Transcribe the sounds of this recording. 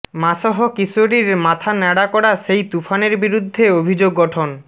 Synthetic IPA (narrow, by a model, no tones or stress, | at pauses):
maʃɔɦokisoɾiɾmat̪ʰanɛɽakɔɽaʃejt̪ufʰaneɾbiɾud̪ʱːeobʱid͡ʑoɡːɔʈʰon